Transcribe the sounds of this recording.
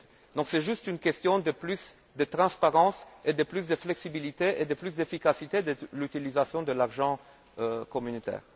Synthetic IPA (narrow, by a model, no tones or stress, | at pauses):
d̪ɔ̃ksɛʒyst̪ynkʲɛst̪jɔ̃d̪əplys | d̪ət̪ʁɑ̃spaʁɑ̃sed̪əplys̬d̪əflɛksibilit̪eʔed̪əplysd̪efikasit̪ed̪əlyt̪ilizasjɔ̃d̪əlaʁʒɑ̃ | økɔmynot̪ɛ̰ːʁ